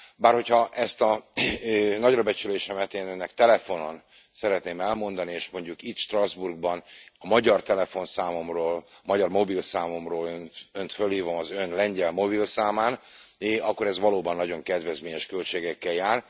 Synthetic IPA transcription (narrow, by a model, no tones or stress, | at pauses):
baːrho̞chɒʔɛst̪ɒ | nɒɟrɒbɛt͡ʃyleːʃɛmɛt̪eːnønːɛkt̪ɛlɛfo̞no̞n | sɛɾɛt̪neːmɛlmo̞nd̪ɒnieːʃmo̞ɲɟukit̪ʃt̪rɒzburɡ̚bɒnɒmɒɟɒrt̪ɛlɛfo̞nsaːmo̞mroːlmɒɟɒrmo̞bilsaːmo̞mroːlønønt̪følhiːvo̞mɒzønlɛɲɟɛlmo̞bilsaːmaːnɒkːo̞ɾɛzʋɒloːbɒnːɒɟo̞ŋkɛd̪vɛzmeːɲɛʃkølt͡ʃeːɡɛkːɛljaːr